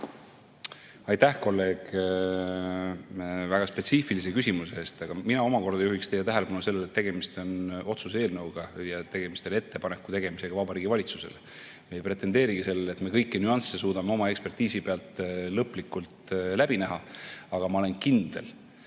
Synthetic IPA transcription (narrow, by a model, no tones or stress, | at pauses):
ɑjt̪æhko̞lːe̞ːɡ̥ | væɡ̥ɑspe̞t̪siːfilis̬e̞kysʲimuseeːst̪ɑɡ̥ɑminɑo̞mɑko̞rd̪ɑjuhikst̪e̞jːɛt̪æɦele̞pɑnuse̞lːelet̪ːe̞ɡ̥e̞mist̪o̞no̞t̪suse̞ːlnɤwɡ̥ɑjɑt̪e̞ɡ̥e̞mist̪o̞ne̞t̪ːe̞pɑnekːˑut̪e̞ɡ̥e̞mise̞ɡ̥ɑvɑbɑɾiːɡ̥ivɑlʲit̪susele | mejpre̞t̪ˑːe̞nd̪e̞ːɾiɡ̥ise̞lːelet̪me̞kɤ̞jkːinyɑnsːe̞suːd̪̥ɑmeo̞mɑe̞kspe̞rt̪iːsipe̞ɑlt̪ˑlɤpːˑlikːˑult̪læbinæɦɑɑɡ̥ɑmɑole̞nkind̪e̞̰l